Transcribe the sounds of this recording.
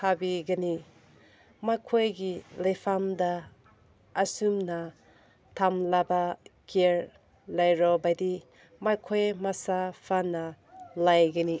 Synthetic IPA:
kʰabiɡɐni | makʰojɡilajpʰamdaː | sumnɐ | tʰamlabakʰeɾ | lajɾɔbajdi | makʰojmasapʰanɐ | lajɡani

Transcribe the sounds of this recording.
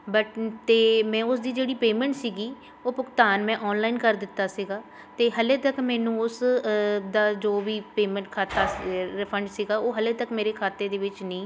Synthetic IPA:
bəʈt̪eːmɛ̃ːʊsd̪iːd͡ʒeːɽiːpeːmɛ̃ːɳʈsiːɡiː | oːpʊkt̪aːnmɛ̃ːʔɔːnlaːinkəɾd̪ɪt̪ːaːsiɡaː | t̪eːɦəleːt̪əkmɛ̃ːnũːʊs | d̪aːd͡ʒoːʋiːpeːmɛ̃ːɳʈ̚kʰaːt̪aːɾɪpʰəɳɖsiːɡaːoːɦəleːt̪əkmeːɾeːkʰaːt̪eːd̪eːʋɪt͡ʃnĩː

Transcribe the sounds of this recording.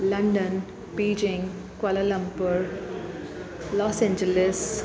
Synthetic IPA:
lɐɳɖən | piːd͡ʒɪ̃ŋɡ | kɐlɐlɐ̃mpəɾ | lɔːsẽːɲd͡ʒeles

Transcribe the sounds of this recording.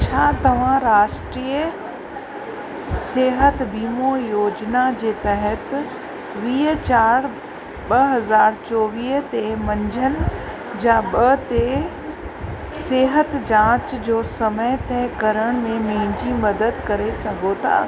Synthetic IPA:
t͡ɕʰaːt̪ɐʋ̤ãɾaːʃʈɾiːə | seːɦət̪biːmojoːd͡ʑnad͡ʑeːt̪ɐɦət̪ | ʋiːɦt͡ɕaːɾ | ɓɐɦɐzaːɾt͡ɕɔːʋiːɦt̪emɐ̃ɲd͡ʑʱənɪ̆ | d͡ʑaːɓɐt̪e | seːɦət̪d͡ʑãːt͡ɕd͡ʑoːsɐməjt̪ʰɛɦkɐɾəɽ̃mẽmẽːd͡ʑimɐd̪əd̪kɐɾesɐɡʱot̪ʰa̰ː

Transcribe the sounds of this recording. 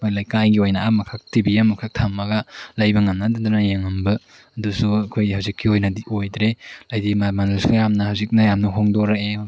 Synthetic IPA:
kʰjlajkajɡiojnɐamɐkʰak̚tibiamɐkʰak̚tʰamːɐɡɐlɐjbɐŋɐmnadɐdunɐjeŋɐmbɐ | ɐdusuɐkʰojhawzikʰːiojnɐdiojdɾelajdimamanelsujamnɐhawzik̚nɐjamnɐɦoŋdoɾɐe

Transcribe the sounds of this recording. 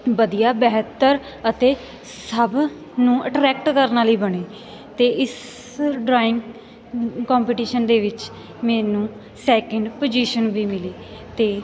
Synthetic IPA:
bəd̪ijaːbɛːɦt̪ːəɾ | ət̪eː | səb | nũːʔəʈɾɛːkʈkəɾnaːləiːbəɳeː | t̪eːʔɪs | ɖɾaːɪ̃ŋɡ | kɔ̃ːmpiʈiːʃənd̪eːʋɪt͡ʃ | mɛ̃ːnũː | sɛːkəɳɖpod͡ʒiːʃənʋiːmɪliːt̪eː

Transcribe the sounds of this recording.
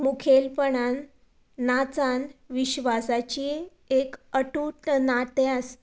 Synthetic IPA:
mukʰelpəɳanː | at͡sanʋiɕʋasat͡ɕi | ekəʈuʈnaʈ̪jas

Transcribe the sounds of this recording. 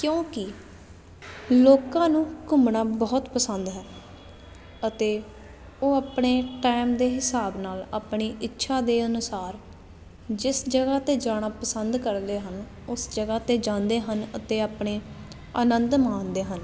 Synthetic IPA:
kjõːkɪ | loːkãːnũːkʊmɳaːbɔːt̪pəsənd̪ɦɛː | ət̪eː | oːaːpɳeːʈɛːɪmd̪eːɦɪsaːbnaːla̰ːpɳiːɪtːʃʰaːd̪eːənʊsaːɾ | d͡ʒɪsd͡ʒəɡaːt̪eːd͡ʒaːɽ̃aːpəsənd̪kəɾd̪eːɦən | ʊsd͡ʒəɡaːt̪eːd͡ʒãːnd̪eːɦənə̰t̪eːaːpɳeː | ə̰nənd̪mãːnd̪eːɦən

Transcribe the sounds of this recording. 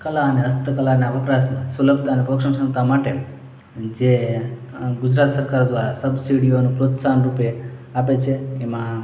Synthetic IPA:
kəlaəneəst̪əkəlaneəʋəpɾasmãsuləb̚t̪aːnepɾokʂəmsə̃nt̪amaʈe | d͡ʒe | ɡʊd͡ʒɾat̪səɾkaɾd̪ʋaɾa̰səbsiɽijonũpɾot̪sanɾupeapet͡ʃʰeːmã

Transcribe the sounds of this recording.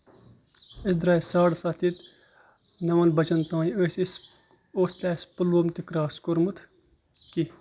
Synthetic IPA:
es̬d̪ɾaːisaːɽsat̪it̪ | nɐʋɐnbɐt͡ʃɐnt̪ãːiosʲs | oːslʲaːspɨloːmt̪ikɾaːskoɾmut̪ʰ | ki

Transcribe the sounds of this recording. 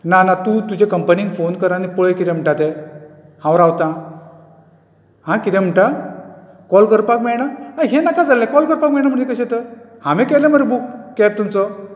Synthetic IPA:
nanat̪ũt̪ud͡ʑekəmpəniŋɡfonkəɾanipɔɭekit̪ɛ̃m̤əɳʈat̪ɛ | hãʋɾawt̪ã | ɦãkit̪ɛ̃m̤əɳʈa | kɔlkəɾpakmɛɭɽ̃aəjɦenakad͡zalɛ̃kɔlkəɾpak̚mɛɭɽ̃aməɳd͡zekəɕɛ̃t̪ə | hãmɛ̃kɛlɛ̃məɾbukːɛtt̪ːumt͡sɔ

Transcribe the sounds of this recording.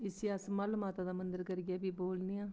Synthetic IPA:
ɪsiasmalmaːt̪aːd̪aːmənd̪əɾkəɾɡɪjaːbiːboːlnijãː

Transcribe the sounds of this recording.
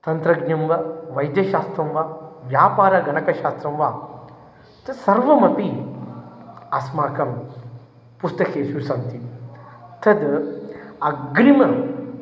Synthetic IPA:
t̪ɐnt̪ɾɐɡnɐmʋɐʋɐjd̪jɐʃaːst̪ɾɐmʋaːʋjaːpaːɾɐɡɐnɐkɐʃaːst̪ɾɐmʋaː | t̪ʰɐsɐɾʋɐmɐpi | ɐsmaːkɐm | pust̪ɐkʰeːʃuɾsɐnt̪i | t̪ʰɐd̪ | ɐɡɾimɐ

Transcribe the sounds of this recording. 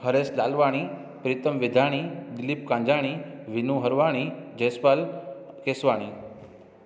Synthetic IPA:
ɦəɾeslalʋaɽ̃i | pɾit̪əmʋid̪ʱaɽ̃id̪ɪlip̚kãːɲd͡ʒaɽ̃iʋinũɦəɾʋaɽ̃id͡ʒəjspal | kesʋaɽ̃i

